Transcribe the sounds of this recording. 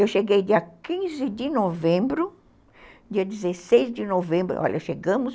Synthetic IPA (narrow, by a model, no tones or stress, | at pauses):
ewʃeɡejd̪iɐkĩzɪd̪ɪnovẽmbɾʊ | d̪iɐd̪ɪzesejzd̪ɪnovẽmbɾʊ̰ʔɔ̰ʎʔɐʃeɡɐ̃mʊs